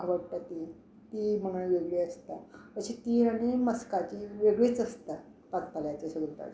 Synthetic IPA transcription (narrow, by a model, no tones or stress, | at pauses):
ʋəɽpət̪i | t̪im̤əɳ̃aʋeɡɭeəst̪aəɕit̪iaɽ̃iməskat͡ɕiʋeɡɭet͡səst̪a | pak̚t̪aljat͡ɕesəɡəlt̪a̰t͡s